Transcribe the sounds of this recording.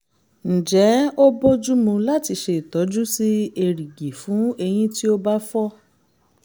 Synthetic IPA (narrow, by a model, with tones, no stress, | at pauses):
n̩˨d͡ʒɛ˨˦o˦bo˦d͡ʒu˦mũ˧la˦ti˧ʃe˧i˨tɔ˨˦d͡ʒu˦si˦e˧ɾi˨ɡi˨fũ˨˦e˧j̃ĩ˦ti˦o˦ba˦fɔ˦